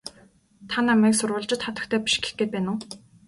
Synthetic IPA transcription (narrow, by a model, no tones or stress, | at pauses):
t̪ʰanːamiːksʊrwʊ̆ːɮt͡ɕɪ̆t̪χat̪ə̆kt̪ʰeːpʲi̥ʃɡ̥e̥xɡeːt̪̚pæːnʊː